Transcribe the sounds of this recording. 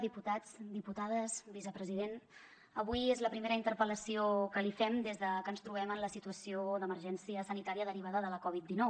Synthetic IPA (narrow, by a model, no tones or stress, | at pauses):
ðiput̪ad͡zd̪iput̪að̞əsbisəpɾəziðen | əβujezləpɾimeɾəint̪əɾpələsiokəlifɛmd̪ezðəkənst̪ɾuβ̞ɛmənləsit̪uəsiod̪əməɾʒɛnsiəsənit̪aɾiəðəɾiβ̞aðəðələkɔβit̪̚d̪inɔw